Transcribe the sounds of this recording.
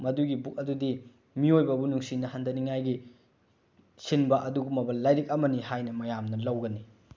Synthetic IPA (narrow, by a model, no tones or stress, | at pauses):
mɐduɡibuk̚ɐdudi | miojbɐbunuŋsinɐɦandɐniŋajɡi | sinbɐʔɐduɡumɐbɐllːajɾik̚ɐmɐnihajnɐmɐjamnɐlɐwɡɐni